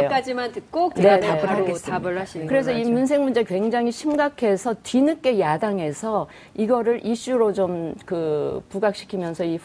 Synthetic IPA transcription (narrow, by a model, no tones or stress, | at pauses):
jok͈ad͡ʑimantɯt̚k͈okneaɡtabɯaɕkɯɾe̞s̬ʰʌimuns̬ʰe̞ŋmund͡ʑekwe̞ŋd͡ʑaŋiɕʰimɡakʰe̞sʰʌtɥinɯk͈e̞jadaŋe̞sʰʌ | iɡʌɾɯɾʔiɕ͈uɾot͡ɕomkɯpuɡak̚ɕ͈i̥kʰimjʌnsʰʌi